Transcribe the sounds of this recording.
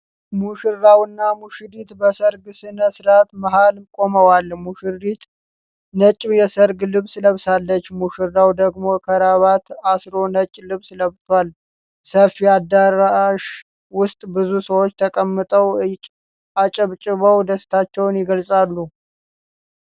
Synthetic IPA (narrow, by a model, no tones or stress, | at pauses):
muʃɨɾawɨnːamuʃɨɾit̪bəsəɾɡsɨnəsɨɾat̪maɦalkʼo̞məwalmuʃɨrit̪ʰ | nət͡ʃʼːɪmjɛsəɾɡlɨβsləβsalːət͡ʃːmuʃɨɾːawd̪əɡmo̞kʰəɾaβat̪asɾo̞nət͡ʃʼlɨβsləβt̪ʰwal | səfiad̪aɾaʃ | wʊst̪ʼbɨzusəwot͡ʃːt̪ʰəkʼəmːɨt̪ʼəwʼ | ʔat͡ʃʼəβt͡ʃʼɪβəwd̪əst̪ʰat͡ʃːɛwnjɪɡəlsʼalːu